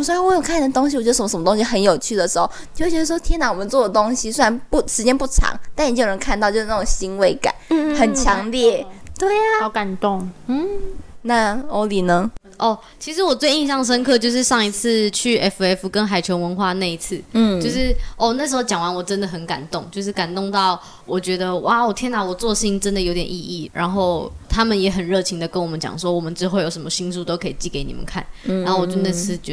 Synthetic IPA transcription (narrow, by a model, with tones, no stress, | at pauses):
mswe˥a˥nwɔ˧˥jo˨˩kʰn˨˩t̪ʊ˥ŋɕi˧wɔ˨˩t͡ɕɛ˧˥˧ə˧˥m˧ʂmə˧t̪õ˥ŋ˥ɕi˧xə˧˥njo˨˩ʊt͡ɕʰy˥˩d̪ə˩ʂɻ̩˧˥xo˥˧˩ʊt͡ɕo˥˧˥t͡ɕɛ˧˥˩wɔ˥t̪ʰjɛ˥nɑ˧˩ŋwɔ˨mə˨˦nt͡swɔ˥˩d̪ə˩t̪o˥ŋɕi˧swe˥ɻa˧˥npu˥˩ʂɻ̩˧˥t͡ɕjɛ˥npu˥˩ʈ͡ʂʰɑ̰˧˥˦ŋt̪a˥˩ni˨˥jo˨˩ə˧˥nkʰa˥˧nt̪ɑ˥˧ʊt͡ɕo˥˧ʊʂ̩˥˩ʈ͡ʂŋɕi˥ŋwe˧˥ɪka̰˨˩˦xə˨˩nt͡ɕʰjɑ˧˥ŋljɛ˥˩t̪we˥˩ɪ˩˧ka˨˩nt̪ʊ˥˩ŋ̩˥˩ | na˥˩o˧˥li˨˩nə˧˦ | ʔɔ˥˩ | t͡ɕʰi˧˥ʂɻ̩˧˥wɔ˨˩t͡swe˥˧ɪi˥˧ɕjɑ˥˩ŋʂ̬ə˥nkʰɤ˥˧t͡ɕjo˥˧ʊʂɻ̩˥˧ʂɑ˥˩ŋi˧t͡s̩ʰ˥˧t͡ɕʰy˥˩ɛ˥fu˨ɛ˥fu˨kə˦˥nxa˨˩ɪt͡ɕʰjo˧˥ʊwə˧˦nxwa˥˧ne˥˧i˧˥t͡sʰɹ̩˥˩˥t͡ɕo˥˧ʊʂɻ̩˥˩ɔ˥˩n˥˩ʂɻ̩˥xo˥˩t͡ɕjɑ˨˩ŋwa˧˦nwɔ˨˩ʈ͡ʂə˦˥nd̪ə˨˩xə˧˥nka̰˨˩nt̪ʊ˥˨ŋt͡ɕjo˥˧ʊʂ̬ɻ̩˥˩ka˨˩nt̪ʊ˥˧ŋt̪ɑ˥˩ʊ | wʔɔ˨˩t͡ɕɥɛ˧˥d̪ə˧wa˥˨˩wɔ˨˩t̪ʰjɛ˥na˧˥wɔ˨˩t͡swɔ˥˧ʂ̩˥˧i˥ŋʈ͡ʂə˦˥nd̪ə˨jo˧˥ʊt̪jɛ˨˩nʔi˥˧i˥˩ɻʔa̰˧˦nxo˥˩ʊt̪ʰa˥mə˨njɛ˧˥xə˨˩nɻɤ˥˩t͡ɕʰi˧˥ŋd̪ə˨kə˥nwɔ˨˩mə˦nt͡ɕjɑ̰˨˩ŋʂwɔ˥wɔ˨˩mə˦nʈ͡ʂɻ̩˥xo˥˩ʊjo˨˩ʊʂə˧˥mə˧ɕi˥ŋsu˥˩t̪o˥ʊkʰɤ˧˥i˨˩t͡ɕi˥˩ke˧˥ɪnḭ˨˩mə̰˦nkʰa̰˥˩nna˨˦˥ho˥˩wɔ˨˩t͡ɕjo˥˧na˥˧˩t͡sʰɹ̩˥˩t͡ɕ